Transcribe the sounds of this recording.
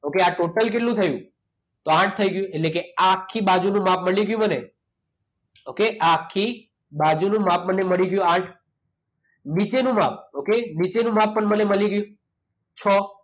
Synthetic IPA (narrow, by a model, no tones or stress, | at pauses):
okeaʈoʈəlk̬eʈlũt̪ʰəjũ | t̪oãʈ̚ʰt̪ʰəiɡjũeʈlekeakʰːibad͡ʒunũmapməɭliɡjũməne | okeʔaːkʰːi | bad͡ʒunũmapməneməɭiɡjũãʈʰ | nit͡ʃenũmap̚ʰokenit͡ʃenũmapːəɳməneməliɡjũ | t͡ʃʰɔ